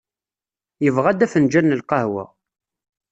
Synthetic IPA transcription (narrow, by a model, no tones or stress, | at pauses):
jəvʁæd̪æfənd͡ʒænːəlqɑhwæ̰